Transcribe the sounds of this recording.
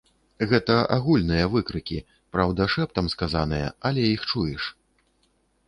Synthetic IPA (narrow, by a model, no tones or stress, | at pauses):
ɣɛt̪ɐʔaɣulʲnɨjɐvɨkɾɨkʲi | pɾawd̪ɐʂɛpt̪ɐmskazan̪ɨjɐ̰alʲɛjixt͡ʂujɛʂ